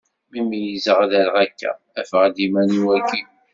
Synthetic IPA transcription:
mimijizəʁðælʁækːæ̰ | æfʁd̪imæniwækːi

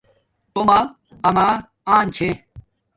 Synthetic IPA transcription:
t̪omaː | ɐmaː | aːnt͡ɕʰe

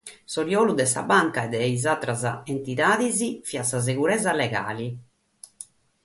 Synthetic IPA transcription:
sɔɾjɔːlud̪ɛsa̰baŋkaɛd̪ːɛizat̪ɾaza̰ent̪iðaːðizifiasaz̬eɣuɾɛzalɛɣa̰ːli

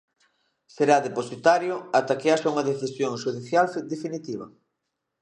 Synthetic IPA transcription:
seɾaðeposit̪aɾjʊat̪akeaʃauŋɐðeθisjoŋʃuð̞iθjald̪efinit̪iβɐ̰

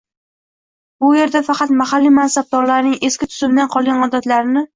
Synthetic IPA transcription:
bʊje̞ɾd̪afɑqʰɑt̪mahalːimansab̚d̪ɒɾlaɾnɪŋe̞skʲɪt̪ʰʊ̥zɪmd̪anqʰɒlˠɡʲanɒd̪at̪laɾɪnɪ

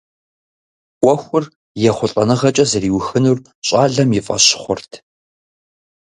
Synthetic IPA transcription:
ʔʷɔxʷʊr | jɛχʷʊɬʼɐ̰nɨʁɐt͡ʃʼɐzɐriːwxɨnur | ɕʼaːɮɐmjɪfʼɐ̰ɕɪ̥χʷʊrtʰ

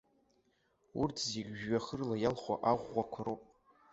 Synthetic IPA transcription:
urtʰzeɡʲʒɥaχərlajalχʷa̰ʔaʁʷːakʷʰaɾopʼ

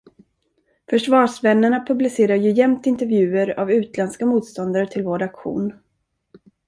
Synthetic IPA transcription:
fœʂvɑːʂvɛnːəɳapʰɵblɪseːɾaɾjɵjɛmt̪ɪnt̪ɛɾvjʉ̟ːəɾa̰vʉ̟ːt̪lɛnskamuːt̪st̪ɔnd̪aɾət̪ʰɪlvoːɖakɧṵːn

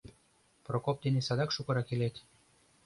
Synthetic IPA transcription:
prokop̚d̪enesɑd̪ɑkʃukɤ̆ɾɑkelet̪ʲ

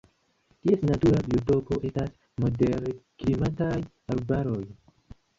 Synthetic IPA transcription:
tie̞snatuɾabio̞to̞ko̞ʔe̞stas | mo̞de̞ɾkɾimataj | aɾbaɾo̞j

